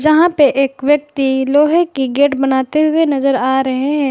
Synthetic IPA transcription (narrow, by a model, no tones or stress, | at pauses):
d͡ʒɐɦãpeʔeːkʋjɐk̚t̪iloːɦekːiɡeːʈbɐnaːt̪eɦʊenɐzəɾaːɾɐɦeɦɛ̃ː